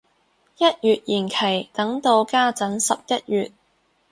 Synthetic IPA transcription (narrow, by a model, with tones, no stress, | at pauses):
jɐ˥t̚jyː˨t̚jiː˨˩nkʰe˨˩jt̪ɐ˨˥ŋt̪o˧wkaː˥t͡sɐ˨˥nsɐ˨p̚jɐ˥t̚jyː˨t̚